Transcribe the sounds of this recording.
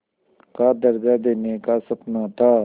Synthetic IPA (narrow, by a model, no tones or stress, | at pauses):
kaːd̪əɾɡaːd̪eːneːkaːsəpnãːt̪aː